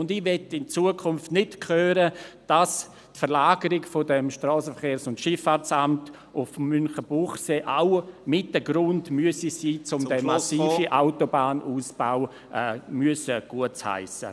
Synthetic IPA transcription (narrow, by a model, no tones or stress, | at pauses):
ʊndɪʋɛtːɪnt͡suəkʰʊnftnɪtkʰχøːɾəd̥as | tfəɾlaːɡəɾɪɡfɔdɛmʃtɾɔːsəfəχeːɾsʊntʃɪfaːɾt͡samt | ʔʊfmːynχəb̥uχseːʔamɪt̚əɡɾʊndmyəsisiːt͡sʊmdɛmasiːfiʔaʊtobaːnʔuːsb̥aʊ | ʔɛːmyəsəɡ̥uətha̰ɪsə̰